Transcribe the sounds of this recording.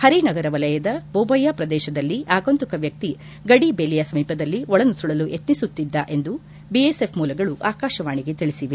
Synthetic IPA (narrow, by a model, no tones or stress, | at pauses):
hɐɾinɐɡɐɾɐʋɐlɐjɐd̪ɐboːbɐjːaːpɾɐd̪ɛːʃɐd̪ɐlːiʔaːɡont̪ukɐʋjɐk̚t̪i | ɡɐɽibelijɐsɐmiːpɐd̪ɐlːiɔɭɐnusuɭɐluʔet̪nisut̪ːid̪ːaʔe̞nd̪u | biesepʰmuːlɐɡɐɭuʔaːkaːʃɐʋaːɳiɡe̞t̪iɭisiʋe